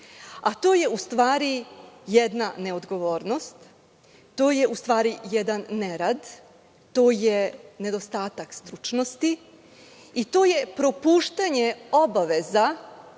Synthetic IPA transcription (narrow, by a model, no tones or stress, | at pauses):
at̪o̞ːje̞ust̪ʋaːɾijed̪nane̞o̞d̪ɡo̞ʋo̞ːɾno̞st̪ | t̪o̞ːje̞ʔust̪ʋaːɾijed̪anːeɾad̪ | t̪o̞ːjene̞d̪o̞st̪aːt̪akst̪ɾut͡ʃnost̪i | it̪o̞ːje̞pɾo̞puːʃt̪aɲeo̞baʋe̞za